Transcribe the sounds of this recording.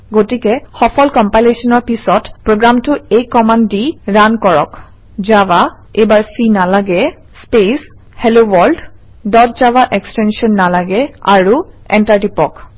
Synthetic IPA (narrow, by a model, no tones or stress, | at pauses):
ɡotikɛxɔpʰɔlkɔmpajlesɔnɔɹpisɔtpɹoɡɹamtʊejkɔmandiɹankɔɹɔ̰k | d͡ʒaba | ebaɹsinalaɡɛ | spes | helowɔɹld | dɔtzabaʔɛkstɛnsiɔnːalaɡɛa̰ɹu | ɛntaɹtipɔk